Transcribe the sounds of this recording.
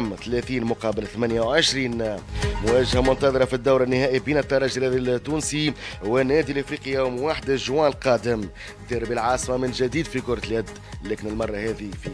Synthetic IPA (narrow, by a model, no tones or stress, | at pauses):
mθlæθiːnmʊqɑːbəlθmænjawʕəʃɾiːnmʊwæːʒhæmʊnt̪ɑðˤɨɾˤɑfid̪ːawɾˤɪnːɪhæːʔibiːnɪt̪ːɑɾˤɑːʒɾæːd̪t̪ːuːnsiwɪnːɛːd̪ilʔɪfɾiːqəjæːmwaħd̪aʒwɑːnlqɑːd̪ɪm | d̪iɾbəlʕɑːsˤmamɪnʒæd̪iːd̪fikʊɾˤt̪ljæd̪ | lɛːkɪnɪlmɑrˤːɑhæːðifi